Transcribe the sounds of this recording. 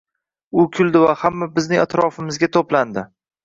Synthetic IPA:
ʊkʲʰʊld̪ɪvahamːabɪznɪŋʲat̪ɾɒfɪmɪzɡʲat̪ʰopland̪ɪ

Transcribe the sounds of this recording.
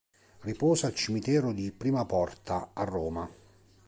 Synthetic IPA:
ripɔːzalt͡ʃimit̪ɛːɾʊd̪ipɾiːmapɔrt̪ʰaːrːɔːma

